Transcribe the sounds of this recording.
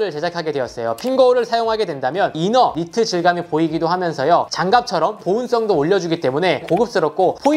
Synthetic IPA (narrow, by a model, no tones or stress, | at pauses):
ɾɯɭt͡ɕe̞d͡ʑakʰaɡe̞dwe̞ʌs͈ʌjopʰinɡʌuɾɯɭsʰajoŋɦaɡe̞dwe̞ndamjʌninʌɾitʰɯd͡ʑiɭɡamipoiɡidohamjʌnsʰʌjʌt͡ɕaŋɡap̚t͡ɕʰʌɾʌmpouns͈ʌŋdoːʎːʌd͡ʑuɡit͈e̞mune̞koɡɯp̚s͈ɯɾʌk̚k͈opʰo